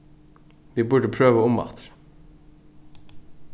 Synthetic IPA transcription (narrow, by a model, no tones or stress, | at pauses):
ʋiːbuːɖəpʰɾøːʋəɔmɑ̰t̪ɾ